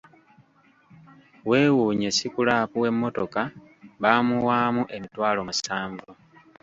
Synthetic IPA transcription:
we̞ːwuɲe̞sikulaːpuwe̞mːo̞to̞ka | βaːmuwaːmuʔe̞mitwaːlo̞musaːɱvo

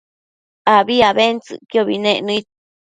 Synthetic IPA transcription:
aβiaβent͡sɨ̰ʔkioβḭnẽʔnɨ̃it̪̚

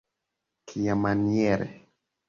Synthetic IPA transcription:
kʰijamanieɾḛ

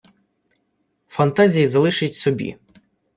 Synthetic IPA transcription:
fɐnt̪ɑzʲijizɐlˠɪʃɪtʲsɔbʲḭ

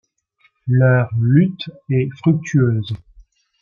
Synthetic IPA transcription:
lœʁlyt̪ɛfχyk̚t̪ʰyøːz

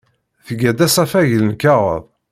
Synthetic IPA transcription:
θəɡæd̪æsˤɑfæʝələnkæʁə̰ðˤ

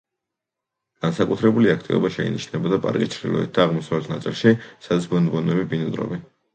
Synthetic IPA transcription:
ɡ̥ansakʼut̪ʰɾɛbuliakʰt̪ʼivɔ̰baʃɛḭnḭʃnɛbɔd̪apʼa̰ɾkʼit͡ʃʰɾd̪ḭlˠɔ̰ḭt̪̚d̪aːʁmɔsavlɛt̪ʰnat̪sʼilˠʃisad̪at̪sbɔnd̪bɔnɛbibinid̪ɾɔ̰bi

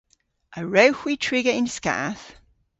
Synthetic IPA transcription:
ʔəɹəʊhwitʰɹ̥ɪɡəɪ̃nska̰θ

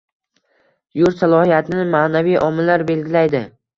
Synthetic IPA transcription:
jʊɾsalˠɒhijat̪ʰɪnɪmaːnavijʔɒmɪlːaɾbe̞lɡʲɪlajd̪ɪ

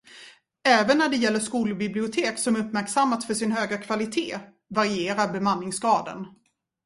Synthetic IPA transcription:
ɛːvənːæɖɛjɛlːəʂkuːlbɪblɪʊt̪ʰeːksɔmɵpːmæɾksamːat̪sfœʂɪnhøːɡɾakʰv̥alɪt̪ʰeː | vaɾɪeːɾaɾbɛmanːɪŋsɡɾɑːd̪ə̰n

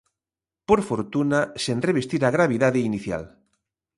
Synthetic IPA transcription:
poɾfoɾt̪unasenreβest̪iɾaɣɾaβ̞iðaðeiniθja̰l

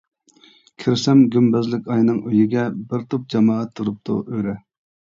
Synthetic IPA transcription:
kʲʰiɾsɛmɡʲymbɛzlɪkʲɑjnɨŋʔøjɪɡʲɛbɪɾt̪ʰop̚d͡ʒɑmɑːɛt̪ʰːuɾup̚t̪ʰṵʔøɾɛ

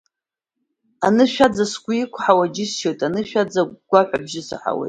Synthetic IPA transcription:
anɨʃᶣad͡zasɡʷʼʊikʷʰħawad͡ʒɪsʃojtʼanɨʃᶣad͡zaɡ̥ʷaħʷᶣabʒɪsɨ̰ħa̰wḛjtʼ

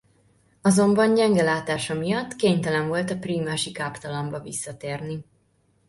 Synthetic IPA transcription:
ɒzo̞mbɒnɟɛŋɡɛlaːt̪aːʃɒmijɒt̪ːkeːɲt̪ɛlɛɱvo̞lt̪ɒpriːmaːʃikaːpt̪ɒlombɒvḭsːɒt̪eːrni

